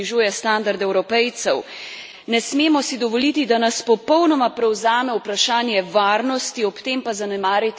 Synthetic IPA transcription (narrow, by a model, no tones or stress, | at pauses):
iʒuːjɛst̪and̪aɾd̪ɛwɾɔpɛjt̪sɛw | nɛsmeːmɔsid̪ɔʋɔlit̪id̪anaspɔpɔwnɔmapɾɛwzaːmɛwpɾaʃaːnjɛʋaːɾnɔst̪iɔpt̪eːmpazanɛmaːɾjit̪